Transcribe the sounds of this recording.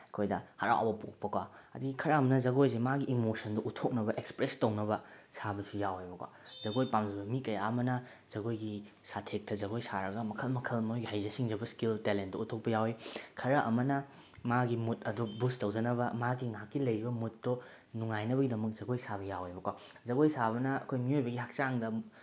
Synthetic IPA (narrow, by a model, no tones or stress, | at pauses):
ɐkʰojdɐhɐɾa̰wbɐpo̰k̚pɐkwaɐ̰diɡikʰɐɾɐɐmɐnɐzɐɡojzemaɡiʔːmosɐndoʔutʰok̚nɐbɐʔekspɾestɐwnɐbɐ | sabɐsujawejbɐkwa̰ | zɐɡojpamd͡ʒɐbɐmikɐjaɐmɐnɐ | z̥ɐɡojɡi | satʰek̚tɐzɐɡojsaɾɐɡɐmɐkʰɐlmɐkʰɐlɐmɐkojɡihajzɐsiŋd͡ʒɐbɐskiltelent̚dɔutʰok̚pɐjawijkʰɐɾɐʔɐmɐnɐ | maɡimut̚ɐdubustɐwd͡ʒɐnɐbɐmaɡiŋakːilɐjɾibɐmut̚do | nuŋajnɐbɐɡidɐmɐk̚zɐɡojsabɐjawejbɐkwa | zɐɡojsaβɐnɐɐkʰojmiojbɐɡihak̚t͡ʃaŋdɐ